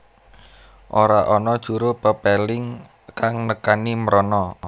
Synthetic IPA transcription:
ʔoɾaʔɔnɔd̥ʒ̥uɾʊpəpɛlɪŋ | kaŋnəkanimɾɔnɔ

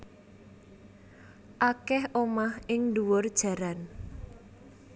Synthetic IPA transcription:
ʔakɛhʔomahɪŋduwʊrd̥ʒ̥ä̤ɾan

